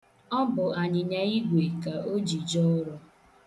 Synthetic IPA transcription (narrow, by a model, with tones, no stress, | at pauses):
ɔ˦m̩˦bʊ˨a˨ɲɪ˨ɲa˦i˦ɡʷe˨ka˨o˦d͡ʒi˨d͡ʒɔ˦ɾɔ˦